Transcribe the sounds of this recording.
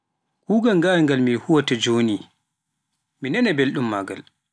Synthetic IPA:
kuːɡalŋɡajŋɡalmihuwatad͡ʒoːni | minɛnɛbelɗumːaːɡa̰l

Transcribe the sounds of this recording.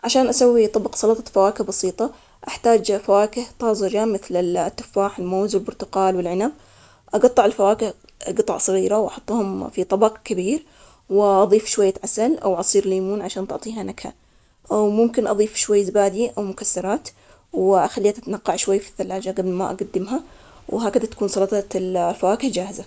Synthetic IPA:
ʕaʃaːnʔasawːit̪ˤɑbɑqsˤɑlɑt̪ˤɑfawaːkɪhbɑsiːt̪ˤɑ | ʔaħt̪aːd͡ʒfawaːkɪht̪ˤɑːzˤɪd͡ʒamɪθlɪt̪ːʊ̥fːaːħɪlmoːzwɪlbʊɾt̪ʊqɑːlwɪlʕɪnab̚ | ʔɑɡɑt̪ˤːɑʕɪlfawaːkɪh | ɡɨt̪ˤɑ̰ʕsˤɑɣiːɾawʔɑħʊt̪ˤːhʊmfit̪ˤɑbɑqkabiːɾ | wɪʔɑðˤiːfʃwajːat̪ʕasalʔa̰wʕɑsˤiːɾliːmuːnʕaʃaːnt̪ʊʕt̪ˤiːɦanakha̰ | ʔawmʊmkɪnʔɑðˤiːfʃwajːzbaːd̪iʔawmʊkasːɑɾˤɑːt̪ | wʔaxalːiːat̪ʔat̪anaqːɑʕʃwajːfi̥θːalːaːd͡ʒaɡablma̰ʔa̰ɡad̪ːɪmɦa | wɦaːkad̪at̪ḁkuːnsˤɑlɑt̪ˤɑllfawaːkɪhd͡ʒaːhɪza

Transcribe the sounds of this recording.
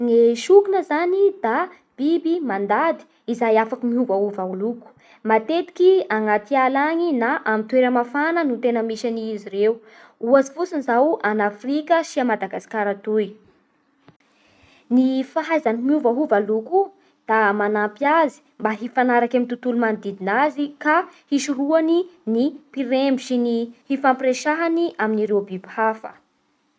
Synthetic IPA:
ŋeʃukunəzanid̪a | b̥ibimand̪ad̪i̥ | izajafakəmiuvaɦuvauluku̥ | mat̪et̪i̥kiaŋat̪ialaŋinaʔamit̪weɾəmafanənut̪enəmiʃaniiziɾeu | uazi̥fusinizawanafɾikəʃiamad̪aɡasi̥kaɾat̪uj | nifaɦajzanimiuvaɦuvaluku | d̪̥amanampjazi̥mbaɦifanaɾakamint̪ut̪ulumand̪id̪inazikahiʃuɾuaninipiɾembiʃinihifampreʃaɦaniʔaminiɾewbibhafə̰

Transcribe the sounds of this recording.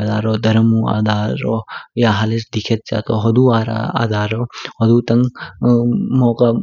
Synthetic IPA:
d̪aɾɔd̪ɐɾɐmua̰d̪ʱaɾɔjaɦalesd̪ikʰet̪̚t͡ʃa̰t̪ɔɦɔd̪uaɾa̰a̰d̪aɾɔhɔd̪ut̪ɐŋ | mɔkɐ

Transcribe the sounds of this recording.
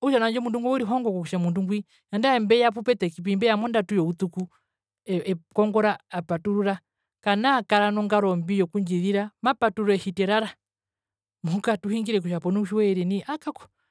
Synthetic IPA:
uʃanaɲd͡ʒɔmunduŋɡuwɔiɾiɦɔŋɡɔkɔkuʃamunduŋɡwi | jandaɛmbɛjap̬upɛtɛkip̬imbɛjamɔndatujɔut̪uku | ɛkɔŋɡɔɾaːpatuɾuɾa | kanakaɾanɔŋɡaɾɔmbijɔkuɲd͡ʒiðiɾamapatuɾɔɛhitɛɾaɾa | mukatuhiŋɡiɾɛk̬uʃapɔnuuʃiwɛɾɛniʔakakɔ̥

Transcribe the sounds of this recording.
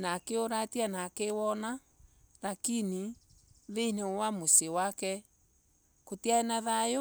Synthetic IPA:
nakeoɾatianakewɔna | ɾakini | ðen̥ɛwamosewakɛ | kotiaɛnaðajo

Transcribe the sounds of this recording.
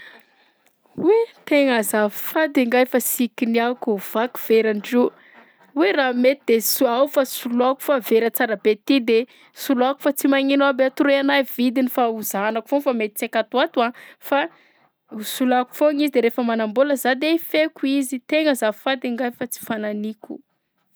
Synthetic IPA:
wet̪eŋəzafad̪iŋɡajfasikiniakuv̥aku̥v̥eɾaɳɖ͡ʐi | weramet̪id̪esuawfasuluaku̥faveɾət͡saɾabet̪id̪e | suluaku̥fat͡simaŋinabeat̪uɾeanajvid̪inifauzanaku̥fonfamet̪i̥t͡sakat̪uat̪uafa | usulaku̥foŋizid̪eɾefəmanamboləzad̪eifekuizit̪eŋəzafad̪iŋɡajfat͡si̥fananikʲu̥̰

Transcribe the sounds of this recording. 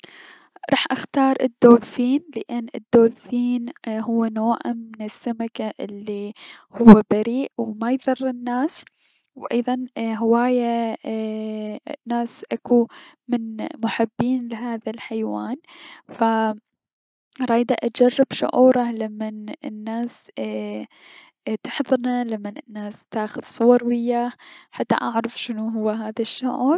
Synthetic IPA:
ɾˤɑ̰ːħʔaxt̪ɑːɾˤʔɪd̪ːoːlfiːnlɪʔɪnːʔɪ̰d̪ːoːlfiːnɦʊwːanoːʕa̰mmɪnɪsːamakaʔɪlːihʊwːabaɾiːʔwmajðˤɑrˤːɪnːaːs | wʔɑjðˤɑnɦɪwaːja | nːaːsʔakumɪnmʊħabːiːnlɪɦaːðalħajwaːnfa | ɾˤɑːjd̪aʔad͡ʒarˤːɪbʃʊ̰ʕuːɾˤɑlamːanɪ̰nːaːs | t̪ɪħðˤɨɾnalamːanɪnːaːst̪aːxʊð̥sˤʊwɑɾˤwɪjːaːħat̪ːa̰ʔaʕɾˤɑfʃɪnuɦʊwːaɦaːðaʃːʊ̰ʕuɾˤ

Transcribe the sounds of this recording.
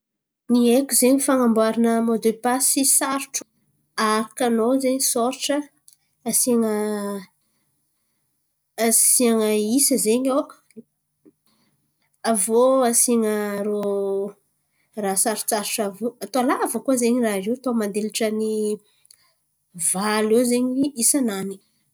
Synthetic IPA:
niekuzeɲifaŋambuaɾinəmod̪epasisaɾuʈ͡ʂu̥ | aɾakanozeɲisoɾʈ͡ʂəː | siaŋə | siaŋəisəzeɲo | avoasiŋəɾo | rasaɾu̥t͡saɾuʈ͡ʂavuat̪oalavəkuazeɲiraɾiwt̪omand̪eliʈ͡ʂəni | valewzeɲiisanani̥

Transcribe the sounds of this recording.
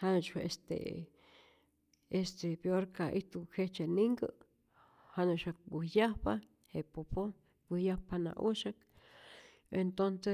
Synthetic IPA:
hanat͡ʃwaʔest̪ḛ | est̪epeoɾkaʔit̪ukʰet͡ʃeniŋɡə | hanuʃak̚bihjapa | hepopo | bihjahpanã̰ʔuʃak̚ | ent̪onse

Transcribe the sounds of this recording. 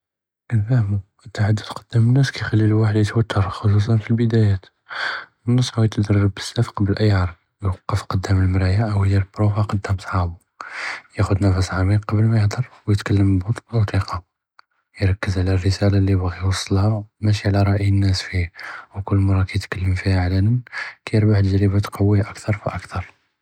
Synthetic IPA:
ʔənfæhmu | t̪ːaħad̪ːəd̪qɑd̪̥ːæmənːæskæjxælːilwaħəd̪jət̪wət̪ʰːəɾˤxos̬us̬ˤɑnfilbəd̪æjæt̪ | mənːəsˤːhujt̪d̪ɑrˤːəbːə̥sːæfqɑbəlʔæjʕɑɾˤd̪ | jwɑqːəfqɑd̪ːæməlmɾæjaʔəwhd̪iɾəbɾufaqɑd̪ːæmsˤħɑbu | jæxʊd̪næfəsʕɑmiqɑbəlmæjəhd̪ɑɾˤwjət̪kəlːəmbut̪ˤt̪ˤiqɑ | jɾˤɑkːəzʕlærːəsælalibɣiwɑsˤːəlhamæʃ̬iʕlæɾˤɑʔiənːæsfiwkʊlːmɑɾˤːɑkæjət̪kəlːəmfihæʕlænənkæjəɾbaħt̪əʒɾəbæt̪qʰɑwːihaʔəkt̪ʰɑɾˤfiʔəkt̪ɑɾˤ

